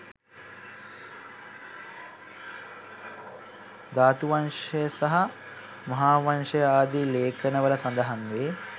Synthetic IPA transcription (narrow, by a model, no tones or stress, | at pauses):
d̪aːt̪uʋɐnʂɐjɐsɐɦɐ | mɐɦaːʋɐnʃɐjaːd̪ileːkʰənəʋɐlɐsɐnd̪ɐɦɐŋʋeː